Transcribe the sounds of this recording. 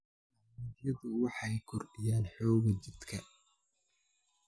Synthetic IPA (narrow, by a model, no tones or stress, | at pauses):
jɐðʊwɑħɑjkʰʊrɪjaːnħɔːɣɐt͡ʃɪd̪kʰɐ